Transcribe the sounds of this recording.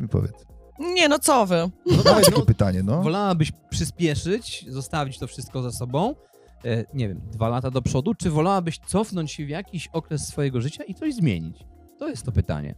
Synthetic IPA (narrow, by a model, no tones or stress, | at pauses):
vpɔ̰vʲjɛ̰t̪s | ɲɛnɔt̪sɔvɘnɔdaaj̪kɛpɘt̪aɲɛnɔvɔlawabɘɕpʂɘspʲjɛʂɘt͡ɕzɔst̪avʲit͡ɕt̪ɔfʂɘst̪̚kɔzasɔbɔ̃w̃ | ɲɛvʲjɛ̰md̪valat̪ad̪ɔpʂɔd̪ut͡ʂɘvɔlawabɘɕt̪sɔfnɔɲt͡ɕɕɛvʲjakʲiɕɔkɾɛsːfɔjɛɡɔʐɘt͡ɕait̪sɔʑzmʲjḛɲḭt͡ɕ | t̪ɔjɛst̪ːɔpɘt̪a̰ɲɛ̰